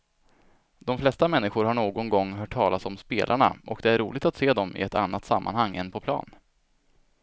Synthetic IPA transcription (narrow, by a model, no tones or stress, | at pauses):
d̪ɔmflɛst̪amɛnːɪɧʊɾhaɳoːɡɔnɡɔŋːɦœːʈʰːɑːlasɔmspeːlʔaɳa̰ʔɔkd̪ɛæɾɾuːlɪɡ̚t̪at̪seːd̪ɔmɪ̰ɛt̪a̰nːat̪samːʔa̰nhaŋːɛ̰npʰɔpʰlɑ̰ːn